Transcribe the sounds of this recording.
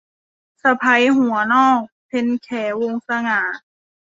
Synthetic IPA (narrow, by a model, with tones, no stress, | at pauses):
sa˧pʰa˧˥jɦu˨˩˦ɐnɔː˥˩k̚pʰe˧nkʰɛː˩˦wo˧ŋsa˧ŋaː˩˦